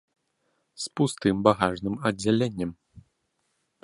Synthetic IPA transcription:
spust̪ɨmbaɣaʐnɨmɐd͡zʲːalʲenʲːɐm

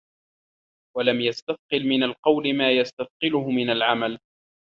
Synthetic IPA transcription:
walamjast̪aθqɨlmɪnalqɑwlɪmaːjast̪aθqɨlʊhʊmɪnalʕamal

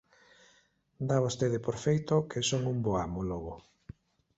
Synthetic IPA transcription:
d̪aβost̪eðepoɾfejt̪okʰesoŋumboamoloɣo

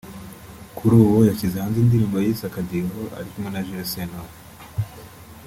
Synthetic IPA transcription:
kuɾuːwojacizehaːnziːndiɾiːmbojiisakadiɾoʔa̰ɾikumŋenaʒiɾosenaho

